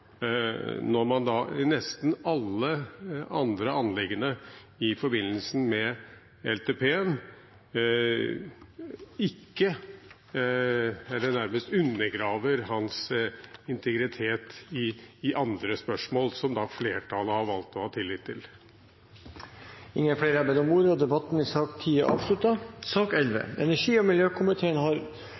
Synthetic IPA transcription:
nɔɾmɑnd̪ɑnɛst̪n̩ɑlːəɑnd̪ɾəɑnlɛɡːənə | ɪfɔɾbɪnːəlsn̩mɛ | ɛlt̪ʰeːpʰeːɛm | ɪkːə | ɛlːənæɾməst̪ʉnːəɾɡɾɑːʋəɾɦɑns | ɪnt̪ʰɛɡɾɪt̪ʰeːt̪ɪːʔɑnd̪ɾəspœʂmoːlsɔmd̪ɑfleːʈʰɑləhɑɾʋɑlt̪ɔhɑːt̪ʰɪlːɪːt̪ʰːɪl | ɪŋːəfleːɾəɑɾbæɪɔmuːd̪əɔd̪ɛbɑt̪n̩ɪsɑːkt̪ʰiːəʔɑ̰ːʋʂlʉt̪ɑsɑːkɛlʋə̰ɛnæʂiːɔmɪljøːkʰʊmɪt̪ʰeːənhɑɾ

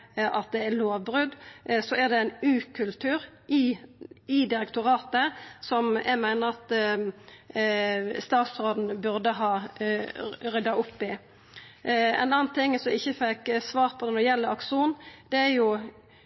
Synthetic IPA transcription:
ʔɑt̪̚d̪ɛæloːʋbɾʉd̪sɔæʁd̪ɛæɪnʉːkʰʉlt̪ʰʉːɾʔɪ | ɪd̪ɪɾɛkt̪ʊɾɑːt̪əsɔmjæ̰ɪmæɪnəɾʁɑt̪ | st̪ɑːt̪sɾoːd̪n̩bʉɾd̪əɦɑː | ʁʏd̪ːɑʊpːɪ | ɛ̰nɑːnt̪ʰɪŋːsɔmɪçːəfɛksʋɑːɾpʰɔd̪ɛnɔjɛlːəɑkʂuːnd̪̥ɛæɾjʊ

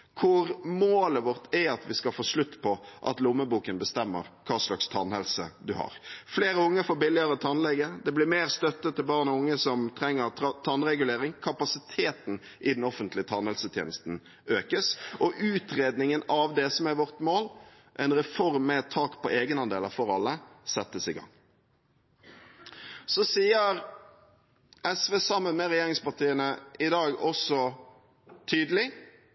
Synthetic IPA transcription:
kʰʊɾmoːləʋɔɾt̪ʰɛɑt̪ʋɪskɑfoːsɭʉt̪ːpʰɔʔɑ̰t̪lʊmːəbuːkənbəst̪ɛmːə̰ɾkʰɑːʂlɑkst̪ʰɑnɛlsəd̪ʉhɑ̰ːɾfleːɾəʊŋːəfoːɾbɪlːɪəɾət̪ʰɑnlɛɡːəd̪ɛblɪɾmeːɾst̪œt̪ːət̪ʰːɪlbɑːʁnɔʊŋːəsɔmt̪ʰɾɛŋːəɾt̪ʰɑnɾɛɡʉleːɾɪŋkʰɑpɑsɪt̪ʰeːt̪n̩ | ʔɪd̪nɔfənt̪lɪət̪ʰɑnhɛlsət̪ʰjḛːnəst̪n̩ | øːkəsɔʔʉːt̪ʁeːd̪nɪŋənɑʋd̪ɛsɔmæɾʋɔʁt̪moːl | ʔɛnʁɛfɔɾmːɛt̪ʰːɑːkpʰɔʔeːɡənɑnd̪ḛːləɾfɔɾɑlːəsɛt̪ːəsɪɡɑ̰ŋ | sɔsiːəɾ | ɛsʋeːsɑmːənmɛʁɛjeːʁɪŋspɑʁt̪ʰiːənəʔɪd̪ɑːɡɔsɔ | t̪ʰyːd̪əlɪ

